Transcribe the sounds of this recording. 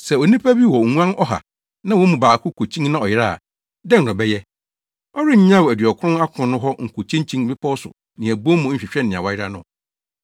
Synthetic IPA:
sɛ˨o˨nĩ˦pʰa˦bi˦wɔ˨ŋũ˦ã˦nɔ˦ɦa̰˨ | nã˦wɔ̃˨˦mũ˨baː˨kʰʊ˦kʰo˨t͡ɕʰĩ˦ŋ˦nã˦˨ɔ˨jɪ˦ɾa̰˦˨ | dɛ̃˦ŋ˨nʊ̃˨bɛ˦jɛ˦ | ɔ˦ɾɪ˦ɲ̩˦ɲ˦ã˦wæ˨dɥɔ˨kʰʊ̃˦na˦kʰʊ̃˨nʊ̃˦ɦɔ˦ŋ̩˨kʰo˨t͡ɕʰĩ˦ɲ˦t͡ɕʰĩ˦ŋ̩˦bɪ˦pʰɔ˦sʊ̰˨ | nɪ̃˨æ˨bo˦mũ˨˦m̩˦ɕᶣɪ˨ɕᶣɛ˦nɪ̃˨a̰˨wa˨˦jɪ˦ɾa˦nʊ̰̃˦

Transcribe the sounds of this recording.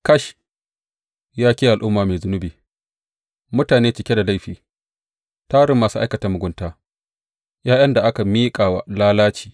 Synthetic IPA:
kɐ˦ʃ | jaː˦kʲiː˦ʔa˨lʔʊ˦mːaː˨meː˨zʊ˦nʊ˦biː˨ | mʊ˦taː˨neː˦t͡ʃɪ˨kʲe˦da˨la˦jɸiː˨ | taː˦ɽɪ˦mːaː˨su˦ʔa˦jkɐ˨ta˦mʊ˨ɡʷʊ˦ntaː˦ | jaː˦jɐ˦nda˨ʔa˦ka˨miː˦kʼaː˨wa̰˨laː˦laː˦t͡ʃiː˨

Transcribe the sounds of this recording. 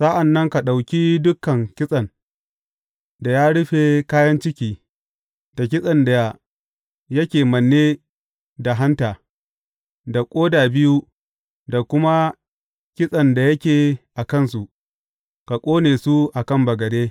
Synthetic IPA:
sa˦ʔa˨nːɐ˦ŋka˨ɗa˨wkʲi˦dʊ˦kːɐ˨ŋkʲɪ˦sʼɐ˨n | da˨jaː˦ɽʊ˦ɸe˨kaː˦jɐ˦nt͡ʃɪ˦kʲiː˨ | d̥a˨k̬ʲɪ˦sʼɐ˨nda˨ | jɐ˦kʲeː˨mɐ˨nːeː˦ | da˨ɦa˦ntaː˨ | da˨kʷʼoː˦daː˨bɪ˦ju˦ | da˨kʷʊ˦ma˦ | kʲɪ˦sʼɐ˨nda˨jɐ˦kʲeː˨ʔa˨kɐ˦˨nsu˨ʔ | ka˨kʷʼoː˦neː˨su˦ʔa˨kɐ˦˨mbɐ˨ɡɐ˨deː˦

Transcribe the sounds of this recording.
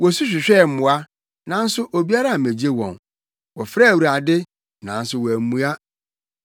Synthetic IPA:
wɔ˨su˦ɕ̬ᶣɪ˨ɕᶣɛ˦˨m̩˦mʊ̃˨˦a˦ | nã˨n̩˦sʊ˦ʔo˨bi˦a˦ɾa˦˨mẽ˨d͡ʑe˦wɔ̰̃˨n | wɔ˨fɾa˦˨wu˨ɾa˨dɪ˦ | nã̰˨˦n̩˦sʊ˨wɔ˨æ˨mũ˦a˦

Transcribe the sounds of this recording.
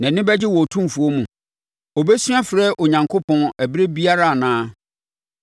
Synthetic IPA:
nã˨nɪ̃˦bɛ˦d͡ʑɪ˦wɔ˨tʰũ˦m˨fu˨o˦mũ˨ | ɔ˨bɛ˦sɥa˦fɾɛ˦ʔo˨ɲã˨ŋkʰo˦pʰɔ̃˦næ˨bɾe˦bi˦a˦ɾa˦˨a˨nãː˦

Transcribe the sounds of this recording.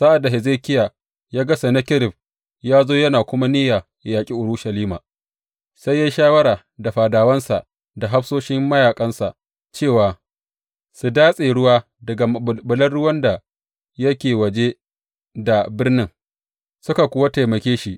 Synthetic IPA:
sa˦ʔa˨dːa˨ɦɪ˨zeː˦kʲɪ˦ja˨ | jaː˦ɡɐ˦sa˨na˦kʲɪ˦ɾɪ˨b̚ | jaː˦zoː˦jɐ˦naː˨kʷʊ˦ma˦niː˦jaː˨ | jaː˨kʲʼi˦ʔʊ˨ɾʊ˦ʃɐ˨liː˦maː˨ | sa˦jːaː˦ʃaː˦wɐ˦ɾaː˨ | da˨ɸaː˨daː˨wɐ˦nsa̰˨ʔ | da˨ɦa˦ɸsoː˦ʃɪ˦mːɐ˦jaː˨kʼɐ˦nsa˨ʔ | t͡ʃeː˦˨waː˨ | su˨daː˦sʼeː˨ɽʊ˦waː˦ | dɐ˨ɡa˨bʊ˨lɐ˦rɽʊ˦wɐ˦nda˨ | jɐ˦kʲeː˨wɐ˨d͡ʒe˦ | da˨bɪ˦rnɪ˦ŋ | sʊ˦ka˨kʷʊ˨wa˦ta˨jmɐ˨kʲeː˦ʃi˦ʔ

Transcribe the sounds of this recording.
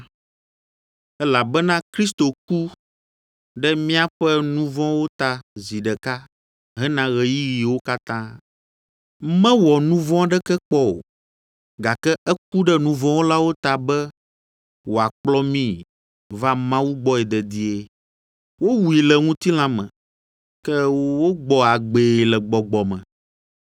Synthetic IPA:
ɛ˦la˨bɛ˦nã˦kɾi˦st̪o˨ku˦ | ɖɛ˦mĩ˦a˦ɸɛ˦nũ˦vɔ̃˦wo˦t̪a˨zi˨ɖɛ˨ka˦ | ɦɛ̃˦nã˦ɣɛ˨ji˦ji˨wo˦ka˦t̪ã˦ | mɛ̃˦wɔ˨nũ˦vɔ̃˦ɖɛ˦kɛ˦k͡pɔ˦o̰˨ | ɡa˨kɛ˦ʔɛ˦k̚u˦ɖɛ˦nũ˦vɔ̃˦wo˦la˦wo˦t̪a˨bɛ˦ | wo˨a˨k͡plɔ˦mĩ˦ | va˦mã˦wu˦ɡ͡bɔ˦ɛ˨d̪ɛ˨d̪i˦e˨ | wo˦wu˨i˨lɛ˨ŋũ˦t̪i˦l̃ã˦mɛ̰̃˨ | kɛ˦wwo˦ɡ͡bɔ˨a˨ɡ͡be˨lɛ˨ɡ͡bɔ˨ɡ͡bɔ˨mɛ̰̃˨

